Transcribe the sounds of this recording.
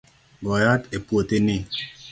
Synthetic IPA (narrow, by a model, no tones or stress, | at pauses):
ɡɔjatepwotenɪ